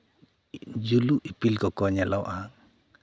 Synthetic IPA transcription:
d͡ʒuluʔipilkɔkɔɲalɔwʔa

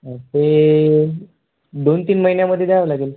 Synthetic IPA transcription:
t̪e | d̪ont̪iːnməɦinjaməd̪ʱːjed̪eaaʋlaɡeːl

